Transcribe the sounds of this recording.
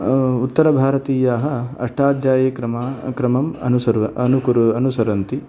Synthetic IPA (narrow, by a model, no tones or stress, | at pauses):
ut̪ːɐɾɐbʱaːɾɐt̪iːjaːɦɐ̆ɐ̰ʂʈʰaːd̪jaːjɐkɾɐmakɾɐmɐmɐ̰nusɐɾɐɐnukuɾuɐnusɐɾɐnt̪i